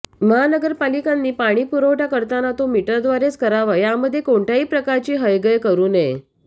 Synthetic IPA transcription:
məɦanəɡəɾpalikanːiːpaɽ̃iːpuɾowʈakəɾt̪anat̪omiʈəɾd̪ʋaɾet͡skəɾaʋəjaməd̪ʱːjekoɳʈaɦiːpɾəkaɾt͡ɕiːɦəjɡəjkəɾuːne

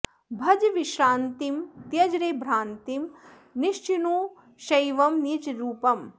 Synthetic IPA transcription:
bʱɐd͡ʒʋiʃɾaːnt̪imt̪jɐd͡ʒɾeːbʱɾaːnt̪im | niʃt͡ʃinuː | ʃɐjʋɐmniːt͡ʃɾuːpɐm

